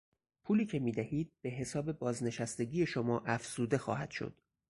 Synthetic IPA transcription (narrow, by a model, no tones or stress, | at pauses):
pʰuːliːcʰe̞miːd̪æhiːd̪̥̚b̥e̞ɦe̞sɒːbe̞bɒːzne̞ʃæst̪e̞ɟʲiːje̞ʃomɒːʔæfz̥uːd̪e̞xɒ̰ːhæd̪̥ʃo̰d̪̥